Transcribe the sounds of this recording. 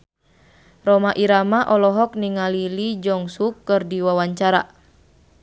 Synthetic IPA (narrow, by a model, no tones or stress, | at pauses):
rɔmaʔiɾamaʔɔlɔɦɔkniŋalilid͡ʒɔŋsukːɨrdiwawaɲt͡ʃaɾa